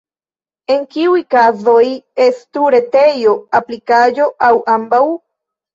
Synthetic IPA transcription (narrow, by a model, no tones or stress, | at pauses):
e̞ŋkiujkazo̞je̞stuɾe̞te̞jo̞aplikaʒo̞ʔawambaw